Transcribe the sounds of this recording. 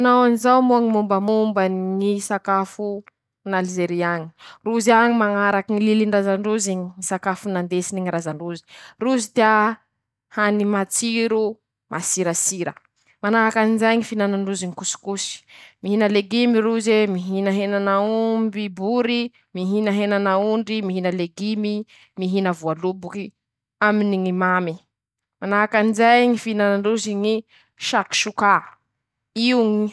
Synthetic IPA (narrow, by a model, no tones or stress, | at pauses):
anawanizawmuaŋimumbəmumbanŋisakafu | nalzeɾiaɲi̥ruziaɲimaŋaɾakiŋililiɳɖ͡ʐazaɳɖ͡ʐuziɲiŋisakafunand̪esiniŋiɾazaɳɖ͡ʐuzi̥ruzid̪ia | hanimat͡siɾu | mʔasiɾasiɾə̰ | manaɦakanizajɲifinanaɳɖ͡ʐuziikusu̥kusi̥miɦinəleɡimiɾuzemiɦinaɦenanaumbibuɾi | miɦinəɦenanauɳɖ͡ʐimiɦinəleɡimi | miɦinəvualubuki | aminiŋimami | manaɦakand͡ʒajŋifinanaɳɖ͡ʐuziŋi | ʃaki̥ʃuka | iuŋi